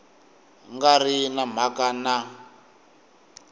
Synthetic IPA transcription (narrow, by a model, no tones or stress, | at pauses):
ŋɡarinam̤akana